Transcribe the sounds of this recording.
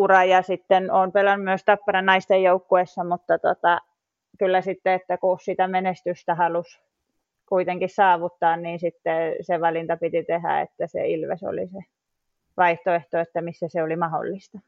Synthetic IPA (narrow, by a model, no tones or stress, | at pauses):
urɑjɑsit̪ːenoːmpelɑnːumyøst̪ɑpːɑrɑnnɑist̪ejjoukːuesːɑmut̪ːɑt̪ot̪ɑ | kylːæsit̪ːeet̪ːækuossit̪æmenest̪yst̪æhɑlus | kuit̪eŋkissɑːʋut̪ːɑːnniːnsit̪ːeseʋɑlint̪ɑpit̪it̪ehæ̰ḛt̪ːæsḛilʋḛso̰lḭse | ʋɑiht̪oeht̪oet̪ːæmisːæseolimɑho̰lːist̪ɑ